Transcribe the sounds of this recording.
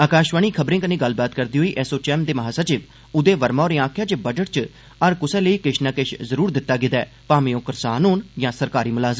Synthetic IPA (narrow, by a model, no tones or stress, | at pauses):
aːkaːʃʋaːɳ̃iːkʰəbɾẽːkənẽːɡəlːbaːt̪kəɾd̪iːɦoːiːʔɛːsoːt͡ʃɛːmd̪eːməɦaːsəɾt͡ʃɪʋ | ʊd̪eːʋəɾmãːɾẽːãːkʰjãːt͡ʃebəd͡ʒəʈt͡ʃ | əɾkʊsɛ̃ːləiːkɪʃnãːkeʃzəɾuːɾd̪ɪt̪ːaːɡɪd̪ɛː | paːmĩjõːkəɾsaːnɦoːnjãːsəɾkaːɾiːmʊlaːzə